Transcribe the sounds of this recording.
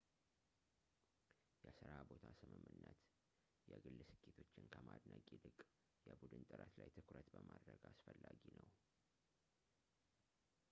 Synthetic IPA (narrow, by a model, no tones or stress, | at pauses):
jɛsɨɾabo̞t̪ʰasɨmɨmːɨnːət̪ | jɛɡɨlːɨsɨkʰʼːet̪ʰo̞t͡ʃːɪnkʰəmad̪nakʼilɨkʼ | jɛbud̪ɨnt̪ʼɨɾət̪lajt̪ʰɨkɾət̪bəmad̪ɾəɡasfəlːaɡinəw